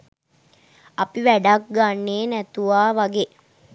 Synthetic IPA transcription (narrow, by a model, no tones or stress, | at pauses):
apiʋæɖak̚ɡanːeːnæt̪uʋaːʋaɡe